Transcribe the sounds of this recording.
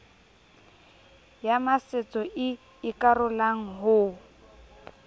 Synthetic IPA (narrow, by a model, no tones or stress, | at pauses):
jamasɪt͡sʼɔʔɪ | ɪkʼarʊlaŋ̩ɦʊ